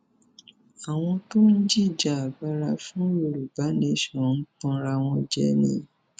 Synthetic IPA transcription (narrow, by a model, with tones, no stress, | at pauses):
a˨w̃ɔ̃˧to˦n̩˦d͡ʒi˦˨d͡ʒa˨˦a˨ba˧ɾa˧fũ˦o˧ɾu˨ba˨˦niẽ˦˧˨ʃɔ̃˨n̩˦k͡pɔ̃˧ɾa˧w̃ɔ̃˧d͡ʒɛ̰˧nḭ̃˧˦